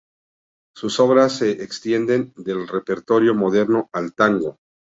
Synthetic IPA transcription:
suso̞βɾasːe̞ʔekst̪je̞nd̪e̞nd̪e̞lre̞pe̞ɾt̪o̞ɾjo̞mo̞ð̞e̞ɾno̞alt̪aŋɡo̞

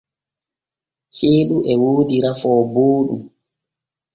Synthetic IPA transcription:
heːɗuʔɛwoːdiɾafɔːboːɗṵm

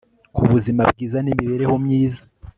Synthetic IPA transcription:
kuβuzimabɡiːzanimiβe̞ːɾe̞ho̞mɲiːza

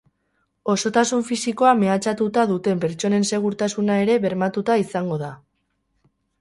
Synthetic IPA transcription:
o̞so̞t̪asuɱfisiko̞ame̞at͡ʃat̪ut̪aðut̪e̞mpe̞ɾt͡ʃo̞ne̞nse̞ɣ̞uɾt̪asunae̞ɾe̞βe̞ɾmat̪ut̪aisaŋɡo̞ð̞a

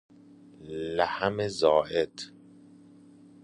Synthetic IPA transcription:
læhæmezɒːʔed̪

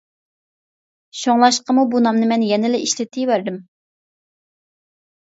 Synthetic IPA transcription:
ʃoŋlˠɑʃqəmubunɑmnɨmɛnjɛnɪlɛʔiʃlɪt̪ʰːɪvæɾd̪ɪm

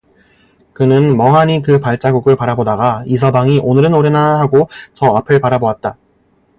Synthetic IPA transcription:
kɯnɯnmʌŋɦaɲikɯpaɭt͡ɕ͈aɡuɡɯɭpaɾabodaɡais̬ʰʌbaŋiʔonɯɾɯnoɾenaɦaɡot͡ɕʌapʰɯɭpaɾaboat̚t͈a

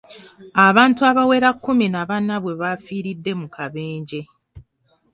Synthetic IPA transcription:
aβaːntuaβawe̞ːɾakːuminaβanːaβwe̞βafiːɾidːe̞mukʰaβeːɲɟe̞

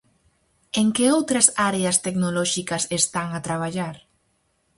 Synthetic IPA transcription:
eŋkeowt̪ɾɐsaɾeɐst̪eknolɔʃikɐsest̪aŋat̪ɾaβ̞aʎaɾ

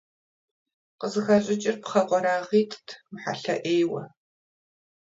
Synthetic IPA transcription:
qəzɨxɐɕʼɪt͡ʃʼɪrpχɐqʷɔɾaːʁiːtʰtʰmħa̰ɬɐʔeːjwɐ̰

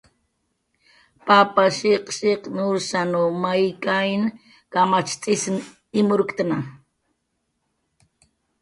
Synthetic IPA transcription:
papaʃeqʃeqnusanumajkajn | kamat͡ʃt͡sʼɪsn | ɪmʊɾkt̪na

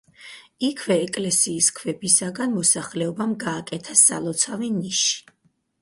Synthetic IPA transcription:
ikʰvɛːkʼlɛsiːskʰvɛbisaɡanmɔsaχlɛɔbamɡaːkʼɛt̪ʰasalˠɔt̪sʰaviniʃi̥

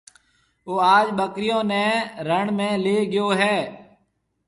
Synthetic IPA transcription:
oːaːd͡ʒɓəkɾɪjõːnɛ̃ːɾəɳmẽːleːɠɪjoːɦɛː

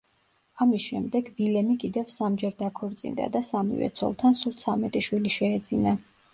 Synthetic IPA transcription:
amisʃɛmd̪ɛɡvilɛmikʼid̪ɛvsamd͡ʒɛɾd̪akʰɔɾt̪sʼḭnd̪a̰d̪asamḭvɛ̰t̪sʰɔ̰lˠt̪ʰansulˠt̪sʰamɛt̪ʼiʃwiliʃɛːd̪zina

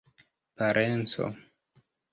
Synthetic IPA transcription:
paɾʔent͡so̰

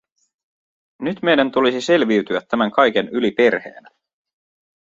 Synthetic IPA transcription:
nyt̪me̞jdænt̪ulisise̞lʋiɥt̪yæt̪ːæmæŋkɑjke̞nylipe̞rhe̞̰ːnæ

